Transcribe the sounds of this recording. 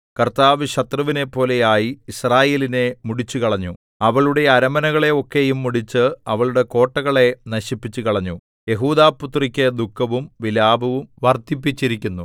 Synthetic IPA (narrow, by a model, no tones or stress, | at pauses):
kɐrt̪aːʋɨɕɐt̪rɐʋine̞pːo̞ːle̞jaːjiːsraːje̞ːline̞muɽit͡ɕːukɐɭɐɲːu | ɐʋɐɭuɽe̞ɐɾɐmɐnɐɣɐɭe̞o̞kːe̞jumːuɽit͡ɕːɨɐʋɐɭuɽe̞ko̞ːʈːɐɣɐɭe̞nɐɕipːit͡ɕːukɐɭɐɲːu | je̞ɦuːd̪aːput̪rikʲːed̪ukʰːɐʋumʋilaːbʱɐʋumʋɐrt̪ipːit͡ɕːiɾikʲːunːu